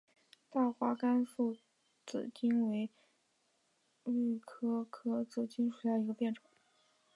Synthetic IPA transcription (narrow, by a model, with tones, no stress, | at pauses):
t̪a˥˩xwa˧˥ka˥nfu˥˩ | t͡sɹ̩̰˨˩t͡ɕi˥nwe˧˥ɪ | y˥˩kʰɤ˥kʰɤ˥t͡sɹ̩˥˩t͡ɕi˥nʂu˨˩jɑ˥˩i˧˥ɡə˧pjɛ˥˩nʈ͡ʂwa˨˩˦